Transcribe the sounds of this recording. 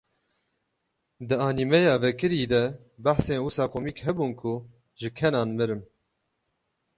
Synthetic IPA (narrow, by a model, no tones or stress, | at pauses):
d̪ɨɑːnimɛjɑːvɛkɨɾiːd̪ɛ | bæħseːnwʊsɑːkʰomiːkhɛbuːnkʰʊ | ʒɨkʰɛnɑːnmɨɾɨm